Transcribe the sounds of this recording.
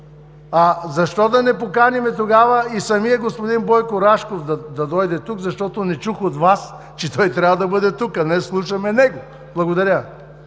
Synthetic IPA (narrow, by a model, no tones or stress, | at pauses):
azɐʃt̪ɔd̪ɐnɛpokanʲimɛt̪oɡavɐisɐmijəɡospod̪inbɔjkoɾaʃkofd̪ɐd̪ɐd̪ɔjd̪ɛt̪ukzɐʃt̪ɔt̪onɛt͡ʃuxot̪vas | t͡ʃɛt̪ɔjt̪ɾʲavɐd̪ɐbɤd̪ɛt̪ukɐnɛslˠuʃɐmɛnɛɡo | blˠɐɡod̪ɐɾʲə